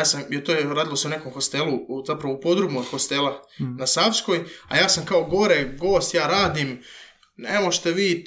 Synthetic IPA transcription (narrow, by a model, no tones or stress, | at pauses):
aːsamjet̪ojɾaːd̪ilˠo̞se̞une̞ko̞mxo̞st̪elˠuzapɾaʋoupo̞d̪ɾumoxo̞st̪e̞lˠa | nasafsko̞ja̰jaːsamkao̞ɡo̞ɾeɡo̞ːst̪jaːɾaːd̪im | nemoʒt̪e̞ʋiː